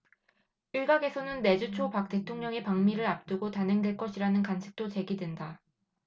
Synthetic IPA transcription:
iɭɡaɡe̞sʰʌnɯnːe̞d͡ʑut͡ɕʰopak̚t͈e̞tʰoŋɲʌŋepaŋmiɾɯɾap̚t͈ɯɡotanɦeŋdwe̞ɭk͈ʌɕʰiɾanɯnkant͡ɕʰi̥k̚t͈ot͡ɕe̞ɡidwenda

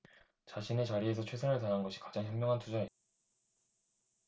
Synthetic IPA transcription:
t͡ɕaɕʰine̞t͡ɕaɾie̞s̬ʰʌt͡ɕʰe̞sʰɯnɯɭtananɡʌɕʰi̥kad͡ʑaŋɦjʌmmjʌŋɦantud͡ʑae

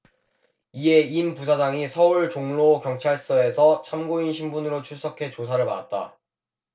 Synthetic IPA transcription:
ie̞impus̬ʰad͡ʑaŋisʰʌuɭt͡ɕoŋlokjʌŋt͡ɕʰaɭs͈ʌe̞sʰʌt͡ɕʰamɡoinɕʰimbunɯɾot͡ɕʰuɭs͈ʌkʰe̞t͡ɕosʰaɾɯɭpa̰dat̚t͈a̰

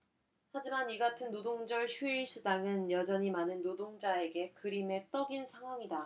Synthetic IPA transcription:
had͡ʑimaniɡatʰɯnːodoŋd͡ʑʌɭɕʰuiɭs͈ʰudaŋɯnjʌd͡ʑʌɲimanɯnːodoŋd͡ʑae̞ɡe̞kɯɾime̞t͈ʌɡinsʰaŋɦwaŋida

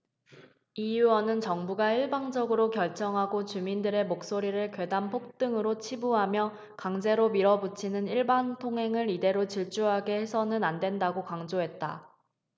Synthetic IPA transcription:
iuʌnɯnt͡ɕʌŋbuɡaiɭbaŋd͡ʑʌɡɯɾokjʌɭt͡ɕ͈ʌŋɦaɡot͡ɕumindɯɾe̞mok̚s͈oɾiɾɯɭkwe̞dampʰok̚t͈ɯŋɯɾot͡ɕʰibuɦamjʌ | kaŋd͡ʑe̞ɾomiɾʌbut͡ɕʰinɯniɭbantʰoŋɦe̞ŋɯɾide̞ɾot͡ɕiɭt͡ɕ͈uɦaɡe̞he̞sʰʌnɯnandwe̞ndaɡokaŋd͡ʑoɦe̞t̚t͈a̰

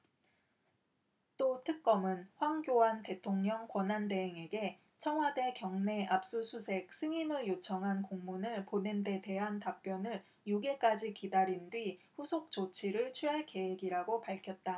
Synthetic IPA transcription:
t͈otʰɯk̚k͈ʌmɯnɸwaŋɡjoante̞tʰoŋɲʌŋkwʌnɦande̞ɦeŋe̞ɡe̞ | t͡ɕʰʌŋɦwade̞kjʌŋne̞ʔap̚s͈usʰusʰe̞k̚s͈ʰɯŋinɯɭjot͡ɕʰʌŋɦankoŋmunɯɭponende̞te̞ɦantap̚p͈jʌnɯɭ | juɡe̞k͈ad͡ʑikidaɾindɥiɸusʰok̚t͡ɕot͡ɕʰiɾɯɭt͡ɕʰɥiɦaɭke̞weɡiɾaɡopaɭkʰjʌt̚t͈a

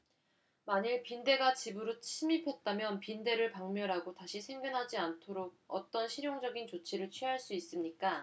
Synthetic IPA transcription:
maɲiɭpinde̞ɡat͡ɕibɯɾot͡ɕʰimipʰjʌt̚t͈amjʌnpinde̞ɾɯɭpaŋmjʌɾɦaɡotaɕʰisʰe̞ŋɡjʌnɦad͡ʑiantʰoɾoɡ̚ʌ̰t͈ʌnɕʰiɾjoŋd͡ʑʌɡint͡ɕot͡ɕʰiɾɯɭt͡ɕʰɥiɦaɭs͈uis͈ɯmɲik͈a

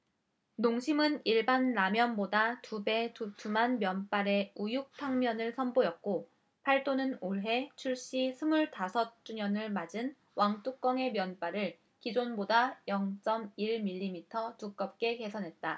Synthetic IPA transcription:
noŋɕʰimɯniɭbanːamjʌnbodatube̞tutumanmjʌnp͈aɾe̞ujuk̚tʰaŋmjʌnɯɭsʰʌnbojʌt̚k͈o | pʰaɭt͈onɯnoɭɦe̞t͡ɕʰuɭɕ͈isʰɯmuɭtasʰʌt̚t͡ɕ͈uɲʌnɯɭmad͡ʑin | wʔaŋt͈uk̚k͈ʌŋe̞mjʌnp͈aɾɯɭ | kid͡ʑonbodajʌŋt͡ɕ͈ʌmiɭmiʎːimitʰʌtuk̚k͈ʌp̚k͈e̞ke̞sʰʌnɦe̞t̚t͈a

